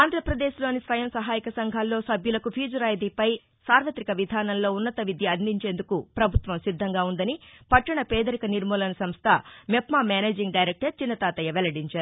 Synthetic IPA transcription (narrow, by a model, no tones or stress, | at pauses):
aːnd̪ʱɾɐpɾɐd̪eːʃlo̞ːnisʋɐjɐmsɐɦaːjikɐsɐŋɡʱaːlːo̞ːsɐbjulɐkupʰiːd͡ʒɐɾaːjd̪ipɐj | saːɾʋɐt̪ɾikɐʋid̪ʱaːnɐllo̞ːunːɐt̪ɐʋid̪ʱjiɐnd̪iɲt͡ʃe̞ːnd̪ukupɾɐbʱut̪ʋɐmsid̪ʱːɐŋɡaːund̪ɐnipɐʈːɐɳɐpɛːd̪ɐɾikɐniɾmɔːlɐnɐsɐmst̪ʰɐmepmaːmaːneːd͡ʒiŋɡɖɐjɾek̚ʈɐɾt͡ʃinːɐt̪aːt̪ɐjɐʋɛlɐɽiɲt͡ʃaːɾu